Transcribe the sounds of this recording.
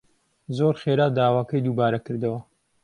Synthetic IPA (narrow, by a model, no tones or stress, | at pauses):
zoɾχeːɾaːd̪aːwaːkɐjd̪uːbaːɾɐkɨɾd̪ɐwɐ